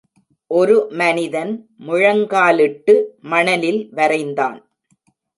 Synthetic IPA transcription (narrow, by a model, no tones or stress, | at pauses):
ʔɔɾɯmɐnɪðɐn | mʊɻɐŋɡaːlɪʈːɯmɐɳɐlɪlʋɐɾɐɪnd̪a̰ːn